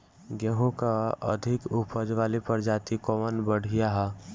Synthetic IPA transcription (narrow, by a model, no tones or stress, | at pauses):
ɡɛɦõkaə̰d̪ʱɪkʊpəd͡ʒʋaːlipəɾd͡ʒat̪ikɔmənbəɽ̤ʱijaɦa